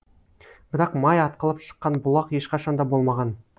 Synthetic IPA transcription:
b̥ɪɾɑqmɑjɑt̪̚qəlˠəpʃə̥qːɑnbʊlˠɑqje̞ʃqɑʃɑnd̪ɑbo̞lˠmɑʁɑn

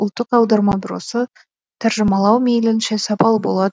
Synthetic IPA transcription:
ʊlˠt̪ːəqɑwd̪ɑɾmɑb̪ɪɾo̰sə | t̪ʰæɾʒəmɑlˠɑwmejlɪnʃe̞sɑpʰɑlˠbo̞lˠɑd̪

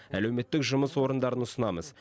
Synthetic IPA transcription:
ælewme̞t̪ːɪkʒʊməswo̞ɾənd̪ɑɾənʊsənɑməz

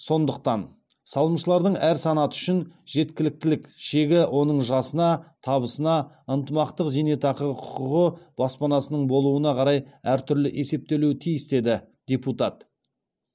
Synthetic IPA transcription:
so̞nd̪əq̚t̪ɑn | sɑlˠəmʃəlˠɑɾd̪əɴæɾsɑnɑt̪ʏʃɪnʒe̞t̪kʲɪlɪk̚t̪ɪlɪkʃe̞ɡʲɪwʔo̞nəɴʒɑsənɑt̪ʰɑβəsənɑ | ənt̪əmɑqt̪əqzene̞t̪ʰɑqəʁəqʰʊ̥qəʁəb̥ɑspɑnɑsənəɴbo̞lˠuənɑqʰɑɾɑjæɾt̪ʰʏɾlɪʔe̞se̞p̚t̪e̞lewt̪ʰijɪst̪e̞d̪ɪ | d̪̥ʲeput̪ɑt̪

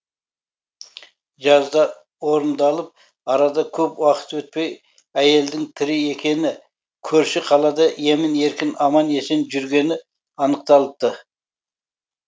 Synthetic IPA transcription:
ʒɑzd̪ɑ | wo̞ɾənd̪ɑlˠəp̚ | ɑɾɑd̪ɑkʲʰɵpwɑqə̥t̪wɵt̪̚pe̞j | æje̞ld̪ɪŋt̪ʰɪɾɪe̞kʲe̞nɪ | kʲʰɵɾʃɪqʰɑlˠɑd̪ɑje̞mɪne̞ɾkʲɪnɑmɑne̞senʒʏɾɡʲe̞nɪ | ɑnəq̚t̪ɑlˠəp̚t̪ə

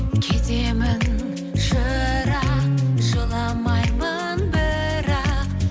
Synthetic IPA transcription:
kʲʰet̪e̞mɪn | ʒəɾɑqʒəlˠɑmɑjmə | nbɪɾɑq

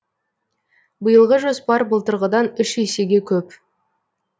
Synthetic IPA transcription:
bəjəlˠʁəʒospɑɾbəlˠt̪əɾʁəd̪ɑnʏʃese̞ɡʲe̞kʲʰɵp

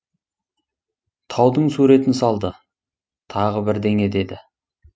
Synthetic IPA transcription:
t̪ʰɑwd̪əɴsuɾe̞t̪ɪnsɑlˠd̪ə | t̪ʰɑʁəbɪɾd̪e̞ŋe̞d̪e̞d̪ɪ

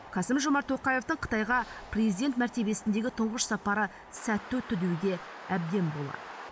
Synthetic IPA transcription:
kʰɑsɪmʒo̞mɑɾt̪ʰːoqɑje̞ft̪əɴqʰə̥t̪ɑjʁɑprʲezijd̪e̞nt̪̚mæɾt̪e̞be̞sɪnd̪e̞ɡʲɪt̪ʰʊɴʁəʃsɑpɑɾə | sæt̪ːʉt̪ʰʏd̪ewɡʲe̞ | æb̚d̪e̞mbo̞lˠɑ̰d̪ə

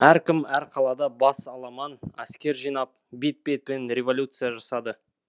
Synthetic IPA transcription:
æɾkʲɪmæɾqʰɑlˠɑd̪ɑbɑsɑlˠɑmɑnæ̰skʲe̞ɾʒijnɑp̚bit̪̚bet̪̚penɾʲe̞vo̞lʲut̪sɨjɑʒɑsɑd̪ə

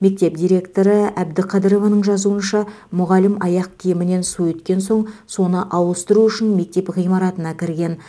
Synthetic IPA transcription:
me̞k̚t̪e̞p̚d̪ijɾe̞kt̪o̞ɾəæbd̪ɪqʰɑd̪əɾo̞vɑnəɴʒɑzuənʃɑ | mʊʁɑlɪmɑjɑq̚kʲʰijɪmɪne̞nsuɵt̪kʲe̞nso̞ɴso̞nəʔɑwəst̪əɾuʏʃɪnme̞k̚t̪e̞pʁijmɑɾɑt̪ənɑkʲʰɪɾɡʲe̞n

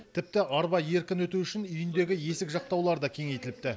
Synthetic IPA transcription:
t̪ʰɪp̚t̪ɪʔɑɾbɑje̞ɾkʲɪnwɵt̪uʏʃɪnʏjɪnd̪e̞ɡʲɪje̞sɪkʒɑq̚t̪ɑwlˠɑɾd̪ɑkʲʰe̞ŋe̞jt̪ɪlɪp̚t̪ɪ

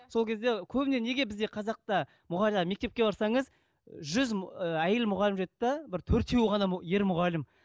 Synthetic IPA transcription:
so̞lˠkʲʰe̞zd̪e̞kʲʰɵbɪne̞ne̞ɡʲe̞bɪzd̪e̞qʰɑzɑq̚t̪ɑ | mʊʁɑlɑme̞k̚ʲt̪e̞p̚kʲe̞bɑɾsɑɴəz | ʒʏzæjelɪmʊʁɑlɪmʒet̪ːd̪ɑbɪɾt̪ʰɵɾt̪ʰe̞wʁɑnɑje̞ɾmʊʁɑlɪm

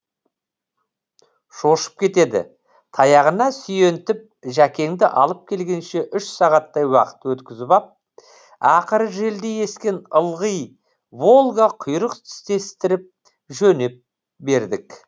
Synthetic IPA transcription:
ʒo̞ʃə̥p̚kʲʰe̞t̪e̞d̪ɪ̰ | t̪ʰɑjɑʁənɑsʏje̞nt̪ɪp̚ʒækʲe̞ŋd̪ɪʔɑ̰lˠəp̚kʲʰe̞lɡʲe̞nʃe̞ʔʏʃsɑʁɑt̪ːɑjwɑ̰qə̥t̪wɵt̪kʲɪzɪpɑp̚ | ɑqəɾəʒe̞ld̪e̞je̞skʲe̞nəlˠʁəj | vo̞lˠɡɑqʰʊjɾəqt̪ʰɪ̥st̪e̞st̪ɪɾɪp̚ | ʒɵne̞p̚ | be̞ɾd̪ɪk

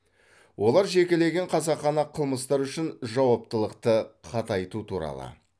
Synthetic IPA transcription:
wʔo̞lˠɑɾʒe̞kʲele̞ɡʲe̞ɴqʰɑzɑqχːɑnɑqʰəlˠməst̪ɑɾʏʃɪnʒɑwɑp̚t̪əlˠəqt̪əqʰɑt̪ɑjt̪ut̪ʰuɾɑ̰lˠə̰

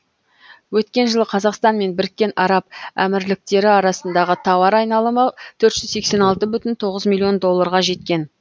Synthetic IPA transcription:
wɵt̪kʲe̞nʒəlˠəqʰɑzɑqst̪ɑnme̞nbɪɾɪkʲːe̞nʔɑɾɑp̚æ̰mɪɾlɪk̚t̪e̞ɾɪɑɾɑsənd̪ɑʁət̪ʰɑwɑɾɑjnɑlˠəmət̪ʰɵɾt̪ʒ̥ʏzse̞kse̞nɑlˠt̪əbʏt̪ɪnt̪ʰo̞ʁəzmʲilʲˠːio̞nd̪o̞lˠːɑɾʁɑʒe̞t̪kʲe̞n

